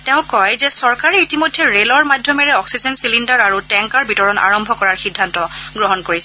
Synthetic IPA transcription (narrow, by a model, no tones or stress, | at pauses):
tɛʊ̃kːɔjzɛsɔɹkaɹɛitimojdʱːɛɹelɔɹmadʱjɔmɛɹɛɔksizɛnsilindaɹaɹutɛŋkaɹbʱitɔɹɔna̰ɹɔmbʱɔkɔɹaɹxidʱːantɔɡɹɔɦɔnkoɹisɛ